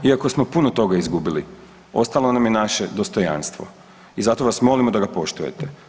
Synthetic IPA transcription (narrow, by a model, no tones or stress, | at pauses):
iako̞smopunot̪o̞ɡaizɡubili | o̞̰st̪alˠo̞namjenaʃed̪ost̪o̞ja̰nst̪ʋo̞̰ | izat̪o̞ʋasmo̞limod̪aɡapo̞ʃt̪uje̞̰t̪e